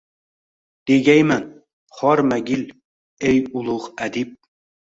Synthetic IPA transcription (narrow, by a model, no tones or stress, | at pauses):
d̪̥eɡʲajmæn | χɒɾmæɡʲil | ejʊlˠʊʁæd̪ip̚